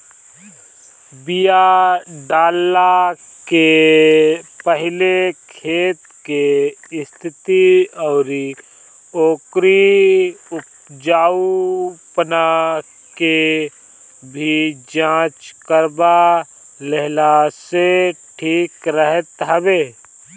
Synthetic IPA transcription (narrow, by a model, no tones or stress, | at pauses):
bijaɖaːlːake | pəɦɪlekʰeːt̪kest̪ʰɪt̪iɔːɾi | oːkɾi | ʊp̚ | d͡ʒaːupəna | ke | bʱid͡ʒãːt͡ʃkəɾba | leɦlaseʈʰiːkɾəɦət̪ɦəbeː